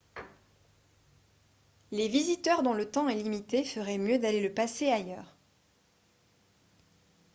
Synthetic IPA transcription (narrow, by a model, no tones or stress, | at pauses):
levizit̪œʁd̪ɔ̃lət̪ɑ̃ɛlimit̪efəʁɛmjød̪aleləpaseajœːʁ